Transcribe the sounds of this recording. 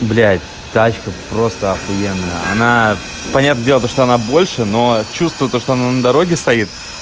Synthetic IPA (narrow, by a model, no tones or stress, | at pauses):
blʲæ | t̪at͡ɕkəpɾost̪əɐfjenːəjəɐ̰na | pɐnʲat̪nəɡʲdʲelˠt̪oʂt̪oɐnabo̞lʲʂɨno̞t͡ɕust̪vʊjt̪oʂt̪oɐnanəd̪ɐɾo̞ɡʲɪst̪ɐit̪̚